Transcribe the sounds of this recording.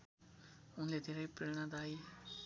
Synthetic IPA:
ʊnled̪ʱeɾaipɪɭɽ̃ad̪aːi

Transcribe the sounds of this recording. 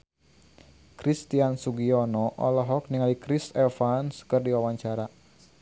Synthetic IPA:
kɾist̪iansuɡiɔnɔʔɔ̰lɔɦɔk̚niŋalikɾisɛlfanskɨrdiwawaɲt͡ʃaɾa

